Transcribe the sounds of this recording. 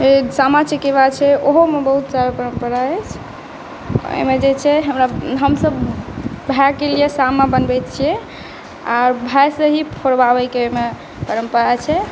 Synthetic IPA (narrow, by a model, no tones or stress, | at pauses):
esamat͡ʃʰekeβat͡ʃʰɛʔoɦomebəɦut̪saɾapəɾəmpəɾaɛt͡ʃʰ | o̰jmed͡ʒet͡ʃʰɛɦəmɾaɦəmsəbbʱakːelijesamabənbɛt̪̚t͡ʃʰijɛ | aɾbʱajsə̃ɦipʰoɾbabɛkeome | pəɾəmpəɾat͡ʃʰɛ